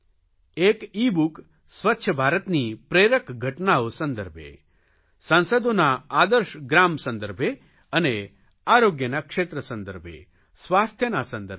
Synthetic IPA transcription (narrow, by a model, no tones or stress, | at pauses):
ekibuk | sʋətːʃʰəbʱaːɾət̪nipɾeɾəkɡʱəʈnaosə̃nd̪əɾbʱḛ | sə̃nsəd̪onaad̪əɾʃɡɾamsə̃nd̪əɾbʱje | əne | aːɾoɡjənakʂet̪ɾəsə̃nd̪əɾbʱḛ | sʋaːst̪ʰjənasə̃nd̪ə